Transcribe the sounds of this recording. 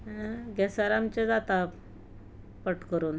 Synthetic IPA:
ɡɛsaɾamt͡ɕed͡zat̪a | pəʈkəɾuːn

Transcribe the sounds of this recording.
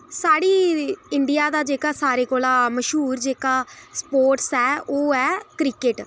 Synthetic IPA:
saːɽiːɪɳɖɪjaːd̪aːd͡ʒeːkaːsaːɾeːkoːlaːməʃɦuːɾd͡ʒeːkaːspoːɾʈsɛːoːɛːkɾɪkeʈ

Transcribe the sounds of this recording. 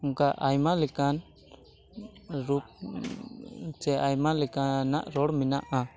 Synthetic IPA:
uŋkaʔajmalɛkan | ɾup̚ | t͡ʃɛʔajmalɛkanaʔɾɔɽminaʔa

